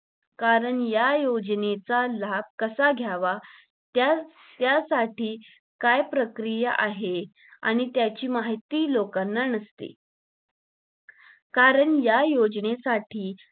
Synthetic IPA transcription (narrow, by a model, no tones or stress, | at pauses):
kaɾəɳjajod͡ʑnet͡salab̚kəsaɡʱjaʋa | t̪ja | t̪jasaʈiː | kajpɾəkɾijəʔaɦe | a̰ɽ̃it̪jat͡ɕiːmaɦit̪ːiːlokanːanəst̪ḛ | kaɾəɳjajod͡ʑnesaʈʰiː